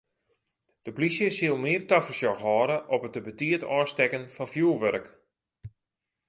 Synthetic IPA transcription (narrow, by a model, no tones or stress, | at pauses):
d̥əplisjəsiəlˠmɪərtafəsjɔxɦɔːɾəʔɔpətəbətiətɔːstɛkənfɔnfjuːlˠʋøɾk